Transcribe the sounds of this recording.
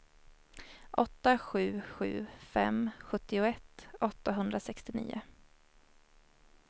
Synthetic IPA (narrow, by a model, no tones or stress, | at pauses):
ʔɔt̪ːaɧʉ̟ːɧʉ̟ːfɛ̰mɧɵt̪ːɪʊɛt̪ːɔt̪ːaɦɵnd̪ɾasɛkst̪ɪnḭːʊ̰